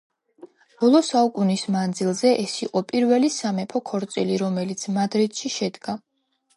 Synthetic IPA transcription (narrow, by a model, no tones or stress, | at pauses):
b̥ɔlˠɔsaukʼunismand̪zilˠzɛʔɛsiqʼɔpʼiɾvɛlisamɛpʰɔkʰɔɾt̪sʼiliɾɔmɛlit̪sʰmad̪ɾit̪ʃiʃɛd̪ɡa